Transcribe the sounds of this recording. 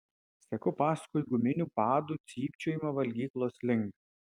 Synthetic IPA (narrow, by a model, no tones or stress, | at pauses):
sʲɛkʊpɑːskʊjɡʊmʲɪnʲupɑːd̪uːˑt̪sʲiːpʲt͡ʃʲoːjɪmɐʋɐlʲɡʲiːklˠoːslʲɪŋʲk